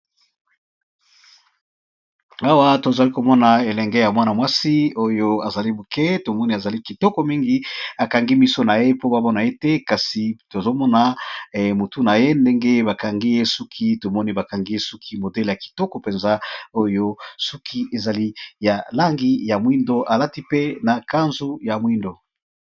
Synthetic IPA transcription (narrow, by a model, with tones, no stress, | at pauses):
a˦wa˦to˨za˨li˦ko˨mɔ˦na˨e˨lɛ˨ŋɡɛ˦ja˨mwa˦na˨mwa˦si˦o˦jo˦a˨za˨li˦bu˨kɛ˦to˨mɔ˦ni˦a˨za˨li˦ki˨tɔ˦kɔ˨mi˦ŋɡi˦a˨ka˨ŋɡi˦mi˦so˦na˨je˦po˦ba˨mɔ˦na˨e˦te˦ka˨si˨to˨zo˦mɔ˦na˨mo˨tu˦na˨je˦nde˦ŋɡe˦ba˨ka˨ŋɡi˦je˦su˦kʰi˦to˨mɔ˦ni˦ba˨ka˨ŋɡi˦je˦su˦kʰi˦mo˨dɛ˦lja˨ki̥˨tɔ˦kɔ˨pe˨nza˦o˦jo˦su˦kʰi˦ʔe˨za˨li˦ja˨la˦ŋɡi˦ja˨mwi˦ndo˦ʔa˨la˦ti˦pe˦na˨ka˦nzu˦ja˨mwi˦ndo˨